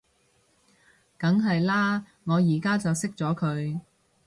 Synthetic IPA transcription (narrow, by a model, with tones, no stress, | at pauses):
kɐ˨˥ŋɦɐ˨jlaː˥ | ŋɔː˨˧jiː˨˩kaː˥t͡sɐ˨wsɪ˥k̚t͡sɔː˨˥kʰɵ˨˧ɥ